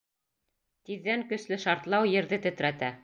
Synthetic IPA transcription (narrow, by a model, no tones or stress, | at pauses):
t̪iðːæŋkɵ̆slɘʃɑɾt̪lˠɑwjɘ̆ɾðɘt̪ɘ̆t̪ɾæt̪æ